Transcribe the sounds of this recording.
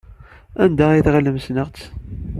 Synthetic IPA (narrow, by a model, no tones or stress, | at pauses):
ænd̪aiθʁələmsnəʁt͡s